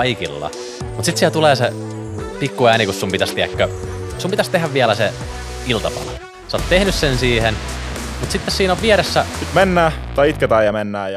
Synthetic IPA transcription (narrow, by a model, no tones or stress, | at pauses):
ikḭlːɑ̰ | mut̪sit̪siæt̪uleːse | pikːuæːnikussumpit̪æst̪iækːø | sumpit̪æst̪ehæʋʋiælæse | ilt̪ɑpɑ̰lo̰ | seot̪t̪ehnyssensiːhen | mut̪sit̪ːessiːnoʋʋieɾesːæsit̪menːæː | t̪ɑjit̪ket̪æːjɑmenːæːjɑ